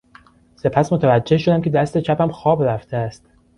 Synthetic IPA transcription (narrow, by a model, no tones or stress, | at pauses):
se̞pʰæsmot̪ʰævæd͡ʒːe̞hʃod̪æmce̞d̪æst̪et͡ʃʰæpæmxɒːbɾæft̪ʰeæst̪